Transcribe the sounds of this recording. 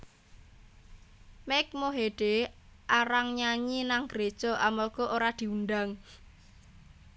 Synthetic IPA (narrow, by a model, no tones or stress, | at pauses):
mɛk̚moɦeɖ̥eʔaɾaŋɲaɲinaŋɡ̥ɾed̥ʒ̥ɔ̤ʔamɔrɡ̥ɔʔoɾad̪̥i̤unɖaŋ